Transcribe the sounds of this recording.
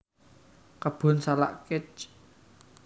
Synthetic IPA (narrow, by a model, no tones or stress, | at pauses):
kəb̥ʊ̤nsala̰ʔkɪt͡ʃ